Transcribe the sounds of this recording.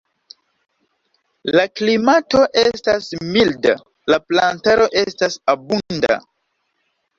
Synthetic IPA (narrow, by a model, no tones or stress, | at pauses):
laklimato̞ʔe̞stasmilda̰ | laplantaɾo̞ʔe̞stasabunda̰